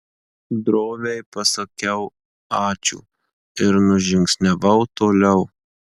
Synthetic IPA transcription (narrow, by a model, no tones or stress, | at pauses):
d̪ɾoːʋʲejpɐsɐkʲɛʊ | ɑːt͡ʃʲṵː | ɪɾnʊʒʲɪŋʲksʲnʲɛʋɐʊt̪oːlʲɛʊ